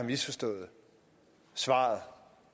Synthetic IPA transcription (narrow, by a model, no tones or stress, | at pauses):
ɑmisfɒsd̥ɔ̰̽ːð̞̩ˠ | sʋɑ̰̈ːð̩ˠ